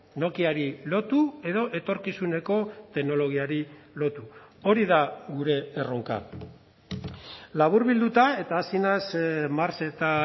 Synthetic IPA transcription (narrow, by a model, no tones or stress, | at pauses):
no̞kiaɾilo̞t̪ue̞ðo̞ʔe̞t̪o̞ɾkisune̞ko̞t̪e̞ɣno̞lo̞ɣ̞iaɾilo̞t̪uo̞ɾiðaɣuɾe̞ːroŋka̰ | laβ̞uɾβild̪ut̪ae̞t̪aːsinasmaɾse̞t̪a